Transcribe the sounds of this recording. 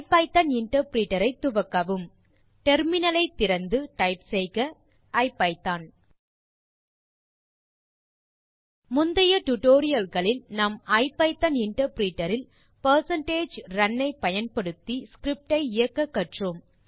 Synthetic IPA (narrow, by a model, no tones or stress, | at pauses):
pɐɪt̪ːɐnɪɳʈɐɾpɾiːʈːɐɾɐɪt̪ːʊʋɐkːɐʋɯm | ʈɛɾmɪnɐlɐɪt̪ːɪɾɐnd̪ɯʈɐɪpsɛɪkɐ | ʔɐɪpːɐɪt̪ːaːn | mʊnd̪ɐjɐʈʊʈoːɾɪjɐlɣɐɭɪlnɐmɐɪpːɐɪt̪ːɐnɪɳʈɐɾpɾiːʈːɐɾɪl | pɐɾsɐɳʈeːd͡ʒɾɐnːɐɪpɐjɐnpɐɽɯt̪ːiskɾɪp̚ʈɐɪɪjɐkːɐkːɐʈrɯm